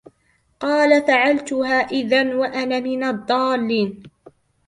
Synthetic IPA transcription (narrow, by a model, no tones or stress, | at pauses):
qɑːlafaʕalt̪ʊhaːʔɪðanwaʔanamɪnad̪ˤːɑːlːɪn